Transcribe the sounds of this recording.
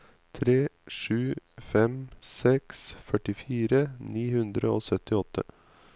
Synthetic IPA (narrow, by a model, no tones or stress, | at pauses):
t̪ʰɾeːʂʉːfɛmsɛksfœʈɪfiːɾəniːhʉnd̪ɾəoːsœt̪ɪɔt̪ːə̰